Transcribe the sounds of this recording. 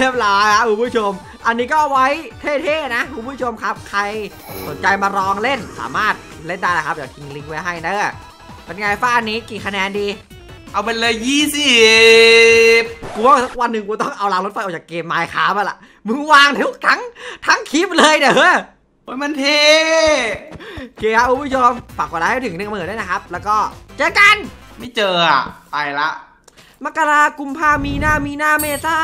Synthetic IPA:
lʰi˦˥˩əp̚laː˧kʰa˦˥p̚ʰːu˧˦mʰu˥˩t͡ɕʰo˧m | ʔa˧nːiː˦˥kɔː˥˩ʔa˨˧wa˦˥jt̪ʰeː˥˩t̪ʰeː˥˩na˦˥kʰu˧˦mpʰːu˥˩t͡ɕʰo˧mkʰa˦˥p̚kʰa˧j | so˩˦nt͡ɕa˧jmaː˧ɾɔː˧ŋle˥˩nsa̰ː˩˦maː˥˩t̪̚ | le˥˩ndaː˥˩jla˧˩kʰa˦˥p̚jaː˨˩t̪ʰi˧˩ŋli˧ŋwa˦˥jɦa˥˩jnaː˦˩ | pe˧nŋaː˧jfaː˥˩niː˦˥kiː˨˩kʰa˧nɛː˧ndiː˧ | ʔa˧wpe˧nlɤː˧jːiː˥˩si˧˩ | p̚ku˧˦˩sa˦˥k̚wa˧nːɯ˨˧ŋkuː˧˦t̪ɔ˥˩ŋʔa˧wlaː˧ŋlo˦˥t̪fa˧jʔ̚t͡ɕaː˨˩kːeː˧mːaː˧jkʰa̰ː˦˥pa˧˩la̰˨˩ʔ | mɯ˧˥ŋwaː˧ŋt̪ʰu˦˥k̚t̪ʰa˦˥ŋt̪ʰa˦˥ŋkʰi˦˥p̚lɤː˧jdaː˨˩hɤ˦˥j | o˧˥jma˧nt̪ʰeː˧ | kʰeː˧ka˦˥ʔʰu˧˦mpʰu˥˩t͡ɕʰo˧mpa˨˩k̚we˧laː˧a˥˩jt̪ʰɯ˩˦ŋne˧ŋː˧˨˩daː˥˩na˦˥kʰa˦˥p̚lɛː˦˥wkɔː˥˩t͡ɕɤː˧ka˧nma˥˩jt͡ɕɤː˧a̰˨˩ʔsa˧˩jla˦˥ʔ | ma˦˥kːaː˧laː˧ku˧mpʰaː˧miː˧naː˥˩miː˧naː˥˩meː˧˩saː˥˩

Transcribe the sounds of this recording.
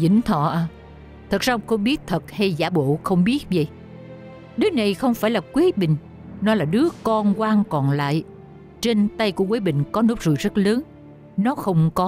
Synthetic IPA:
zḭ˧˩ŋ̟t̪ʰɔ̰˧˨ʔaː˧˩ | t̪ʰə˨˩k̚zaː˧ə˧wŋ͡mxə˧wŋ͡mɓi˦˥ət̚t̪ʰə˨˩t̚ha˧jzaː˧˩ɓo̰˧˨xə˧wŋ͡mɓi˦˥ət̚və̰˧˨j | ɗɨ˨˦əna˨˩jxə˧wŋ͡mfaː˧˩jlaː˨˩kwi˨˦ɓï˨ŋ̟ | nɔ˨˦laː˨˩ɗɨ˨˦əkɔ˧nkwaː˧ŋkɔ˨˩nla̰ː˧˨j | t͡ɕe˧nt̪a˧jku˧˩əkweː˨˦jɓï˧˨ŋ̟kɔ˨˦no˦˥p̚zṵ˨jzə˦˥t̚ləː˨˦n | nɔ˨˦xə˧wŋ͡mkɔ˨˦

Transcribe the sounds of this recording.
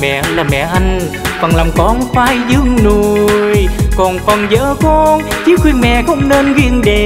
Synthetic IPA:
mɛ̰˧˨laː˨˩mɛ̰˧˨ʔa˧jŋ̟ | və˨˩nlaː˨˩mkɔ˨˦nfaː˧jzɨ˧˥əŋno˨˩əjkɔ˨˩nfə˨˩nzəː˧˦kɔ˧nt͡ɕi˨˦xwi˧ənmɛ̰˧˨xə˧˦wŋ͡mne˧nɣi˧ənɗe˨

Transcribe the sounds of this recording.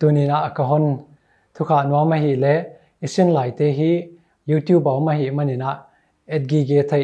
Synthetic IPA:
t̪u˨ni˨na˨ʔkɐ˧ɦɔ˥˨n | t̪ʰu˧kʰa˨ʔnu˧a˦ma˧ɦi˨ʔlɛ˨˦ʔ | i˨si˧˥˨nlaː˨jt̪e˨˦ɦiː˦ | ju˦t̪ju˥bɐ˨wma˧ɦi˨ʔmɐ˥˨ni˨na˨ʔ | ɛ˦t̪̚ɡi˧ɡe˦t̪ʰe˦˧jʔ

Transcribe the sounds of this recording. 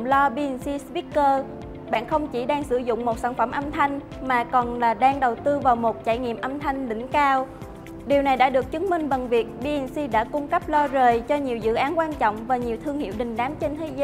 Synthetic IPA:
lɔ˧ɓi˧i˨˩nsi˧svi˦˥kkəː˧ | ɓa̰ː˧˨nxə˧wŋ͡mt͡ɕi˧˩ɗaː˧ŋsɨ˧˩zʊ̰˧˨ŋ͡mmo˨˩t̚saː˧˩nfə˧˩mʔə˧mt̪ʰa˧jŋ̟ | maː˨˩kɔ˨˩nlaː˨˩ɗaː˧ŋɗə˨˩wt̪ɨ˧vaː˨˩wmo˨˩t̚t͡ɕa̰ː˧˩jŋḭ˧˨əmʔə˧mt̪ʰa˧jŋ̟lḭ̈˧˩ŋ̟kaː˧w | ɗi˨˩əwna˨˩jɗa̰ː˧˥ɗɨ˨˩ək̚t͡ɕɨ˨˦ŋmï˨˩ŋ̟və˨˩nvi˨˩ək̚ɓi˧ʔi˨˩nsi˧ɗa̰ː˧˥kʊ˧ŋ͡mkə˦˥p̚lɔ˧zəː˨˩jt͡ɕɔ˧ɲi˨˩əwzɨ̰˧˨ʔaː˨˦nkwaː˧nt͡ɕɔ̰˧˨wŋ͡mvaː˨˩ɲi˨˩əwt̪ʰɨ˧əŋhḭ˧˨wɗï˨˩ŋ̟ɗaː˨˦mt͡ɕe˧nt̪ʰe˨˦zə˨˦

